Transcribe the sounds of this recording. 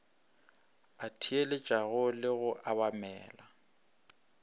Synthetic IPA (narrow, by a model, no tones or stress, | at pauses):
atʰielɪt͡ʃʼaɣʊlɪɣʊʔaβamɛːla